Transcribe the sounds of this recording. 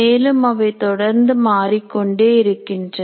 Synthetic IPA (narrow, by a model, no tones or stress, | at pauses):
eːlɯmɐʋɐɪt̪ɔɽɐɾnd̪ɯmaːɾikːɔɳɖeːɪɾɯkːɪndrɐ